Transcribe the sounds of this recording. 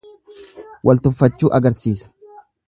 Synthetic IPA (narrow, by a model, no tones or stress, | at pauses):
wʔɐlt̪ʊfːɐt͡ʃːuːʔɐɡɐɾsiːsɐ̥